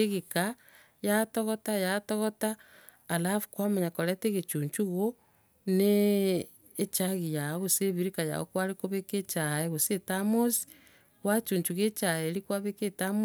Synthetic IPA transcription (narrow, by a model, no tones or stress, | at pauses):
eɣika | jatoɣotajatoɣotaː | lafu̥kwamaɲakoɾeteɣet͡ʃuːɲt͡ʃuɣo | neː | t͡ʃaɣijaoɣoseβiɾikaja̰ɣo̰kwaɾikoβeket͡ʃaeɣosetamosi̥ | ɣwat͡ʃuːɲt͡ʃuɣet͡ʃaeɾikwaβeketam